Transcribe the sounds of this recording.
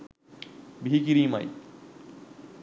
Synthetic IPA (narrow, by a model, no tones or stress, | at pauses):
bʱikiɾima̰j